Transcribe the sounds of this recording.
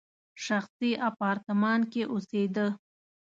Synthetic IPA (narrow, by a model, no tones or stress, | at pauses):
ʃaxsiapɑɾt̪ɪmɑnkeʔosed̪ə